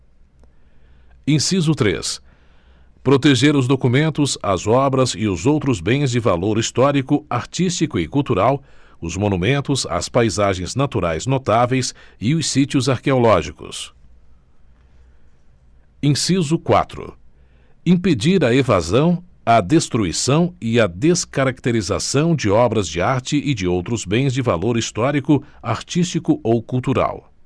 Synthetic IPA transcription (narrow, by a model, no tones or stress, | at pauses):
ẽsizʊt̪ɾḛs | pɾot̪eʒeɾʊzd̪okumẽnt̪ʊzɐzɔbɾɐzɪʊzowt̪ɾʊzbẽj̃zd͡ʒɪvaloɾist̪ɔɾikʊaɾt͡ʃist͡ʃikʊɪkuwt̪uɾaw | ʊzmonumẽnt̪ʊzɐ̰spajzaʒẽj̃znat̪uɾajznot̪avejsɪʊsit͡ʃiʊzaɾkeolɔʒikʊ̰s | ĩsizʊkwa̰t̪ɾʊ̰ | ĩped͡ʒiɾɐevazɐ̃w̃ɐd̪est̪ɾuisɐ̃w̃ɪɐd̪eskaɾak̚t̪eɾiza̰sɐ̃w̃d͡ʒɪɔbɾɐzd͡ʒɪaɾt͡ʃɪʔɪd͡ʒɪowt̪ɾʊzbẽj̃zd͡ʒɪvaloɾist̪ɔɾikʊaɾt͡ʃist͡ʃikʊʔowkuwt̪uɾa̰w